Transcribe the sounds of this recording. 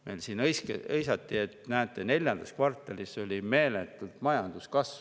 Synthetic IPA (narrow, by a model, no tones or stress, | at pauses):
mejlsiːnɤjskɤjsɑt̪ːie̞t̪næːt̪ːˑe̞ne̞lʲjɑnd̪̥ɑskvɑrt̪ːˑɑliso̞lʲime̞ːlet̪ːˑult̪mɑjɑnd̪̥uskɑsv